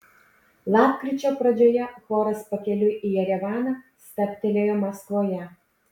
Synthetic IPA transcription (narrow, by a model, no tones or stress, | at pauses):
lˠɑːpkɾʲɪt͡ʃʲoːpɾɐd͡ʒʲoːjɛfoːɾɐspɐkʲɛlʲʊʔijɛɾʲɛʋɑːnɑ | st̪ɐpʲt̪ʲɛlʲeːjɛmɐsk̪ʋoːjɛ